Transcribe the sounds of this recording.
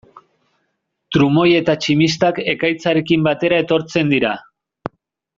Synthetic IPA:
t̪ɾumo̞je̞t̪at͡ʃimist̪ake̞kajt͡saɾe̞kimbat̪e̞ɾae̞t̪o̞ɾt͡se̞nd̪iɾa

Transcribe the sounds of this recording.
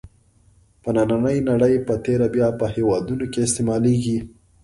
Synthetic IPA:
pənananəjnaɽəjpət̪eɾabjɑpəhewɑd̪unokeɪst̪emɑleɡi

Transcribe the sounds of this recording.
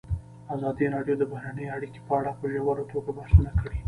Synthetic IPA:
azɑd̪iɾɑɖjod̪əbahɾanəjaɽike̥pəaɽapəʒawaɾat̪oɡabahsunakəɽi

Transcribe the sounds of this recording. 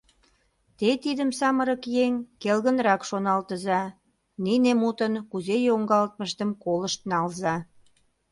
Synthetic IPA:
t̪et̪id̪əmsɑməɾəkjeŋkelɣə̆nɾɑkʃonɑlt̪əzɑ | ninemut̪ənkuzejoŋɡɑlt̪̚məʃt̪əmkoləʃt̪̚nɑlzɑ

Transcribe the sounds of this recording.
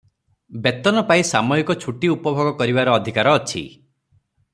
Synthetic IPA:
bet̪ɔnɔpaisamɔikɔt͡ʃʰuʈiupɔbʱɔɡɔkɔɾibaɾɔːd̪ʱikaɾɔːt͡ʃʰḭ

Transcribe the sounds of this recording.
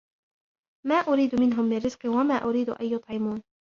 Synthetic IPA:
maːʔʊɾiːd̪ʊmɪnɦʊmːɪrːɪz̥qɨwamaːʔʊɾiːd̪ʊʔa̰jjʊt̪ˤʕɪmuːn

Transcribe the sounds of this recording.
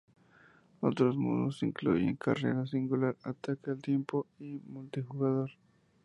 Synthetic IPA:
ot̪ɾosmṵnosiŋklṵjḛŋka̰rḛɾas̬iŋɡulaɾat̪akealt̪jempoimult̪ixuɣaðoɾ

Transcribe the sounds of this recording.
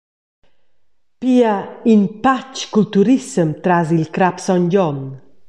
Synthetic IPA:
piainpat͡ʃkult̪uɾisəmt̪ɾazilkɾapsɔnɟɔn

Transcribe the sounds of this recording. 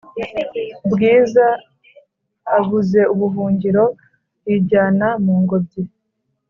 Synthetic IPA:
bɡiːza | βuze̞uβuɦuːɲɟiɾo̞ | jiɟaːnamuːŋɡo̞b̚ɟe

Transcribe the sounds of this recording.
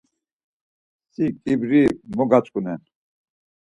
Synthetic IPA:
sikʼibɾimɔɡat͡ʃʼkʼunɛn

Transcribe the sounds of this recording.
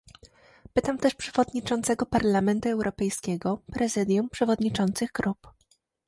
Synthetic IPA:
pɘt̪amt̪ɛʂpʂɛvɔd̪ɲit͡ʂɔnt̪sɛɡɔpaɾlamɛnt̪uɛwɾʔɔpɛjskʲɛɡɔpɾɛzɘd̪ʲjumpʂɛvɔd̪ɲit͡ʂɔnt̪sɘɣɡɾup

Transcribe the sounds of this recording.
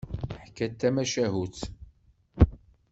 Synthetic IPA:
ħkːæt̪ːæmæʃæɦuθ

